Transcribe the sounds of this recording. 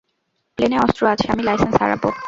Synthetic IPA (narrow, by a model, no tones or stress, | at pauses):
pleneɔst̪ɾoat͡ɕʰeamilajsensa̰ɾa̰bo